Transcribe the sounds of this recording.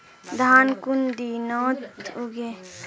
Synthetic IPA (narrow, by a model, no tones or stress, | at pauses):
d̪ʱaːnkund̪inɔːt̪oɡe